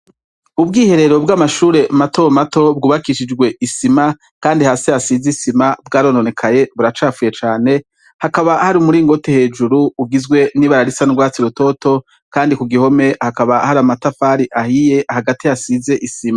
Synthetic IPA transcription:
ubɡiːhe̞ɾe̞ɾo̞bɡaːmaʃuːɾe̞matʰo̞mato̞b̚ɡuːβakiʃid͡ʒɡwe̞ʔisima | kaːndihaːsiasizisimabɡaːɾo̞ːno̞ne̞kʰaje̞βuɾat͡ʃaːfuje̞t͡ʃaːne̞ | hakaβahaɾimuɾiŋɡo̞tehe̞ːd͡ʒuɾuuɡizɡwe̞niβaɾaɾisanuɡwaːt͡siɾuto̞to̞ | kaːndikuɡiho̞me̞hakaβahaɾamatafaːɾiʔahije̞ʔahaɡatiasize̞ʔisima

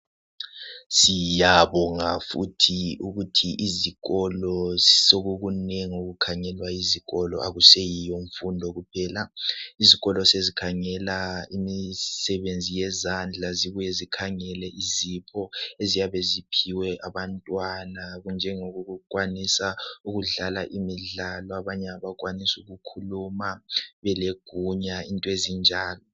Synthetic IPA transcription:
sijaβɔŋafutʰiuɣutʰiʔiziɣɔlɔsoɣuɣunɛŋoɣukʰaŋɛlwaiziɣɔlɔ̰ʔa̰ɣusejijoɱfundʱɔɣupʰɛːlaiziɣɔlɔsezikʰaŋɛlaimisɛβend͡zʱijɛzand͡ɮʱaziβujɛzikʰaŋɛlɛʔizipʰɔezijaβezipʰiwɛʔaβantʼwanaɣund͡ʒʱɛŋoɣuɣukʼwanisauɣuɮalaʔimiɮalɔaβaɲɛaβak̬ʼwanisuɣukʰulumaβɛleɡ̥ʱuɲaintʼwezind͡ʒʱaːlɔ

